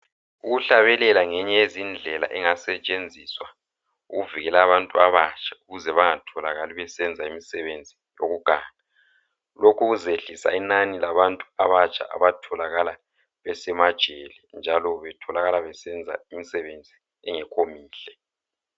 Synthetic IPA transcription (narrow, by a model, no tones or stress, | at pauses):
uɣuɬaβɛlɛlaŋɛɲɛezind͡ɮʱɛla̰ʔɛŋasɛt͡ʃʼend͡zʱiswa | uɣuviɣɛlaβantʼuaβat͡ʃʼʰḁuɣuzɛβaŋatʰɔlaɣaliβɛsɛnd͡zʱaimisɛβend͡zʱi | joɣuɡ̥ʱaːŋa | lokʰuɣuzeɬisa̰inanilaβantʼuaβat͡ʃʰʼa̰ʔa̰βatʰɔlaɣala | βɛsɛmad̥ʒ̥ʱelɛnd͡ʒʱalɔβɛtʰɔlaɣalaβɛsɛnd͡zʱa̰imisɛβend͡zʱi | ɛŋɛkʰomiːɬɛ